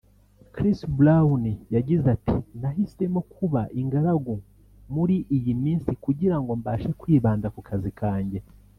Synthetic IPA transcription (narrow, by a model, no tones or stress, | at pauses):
kɾistbulawunijaɟizatḭnaɦisemokʰuβaʔiŋɡaɾaɡu | muɾiʔijimiːnsikuɟiɾaŋɡo̞mbaːʃekwiːβaːndakukʰazikʰaːɲɟe̞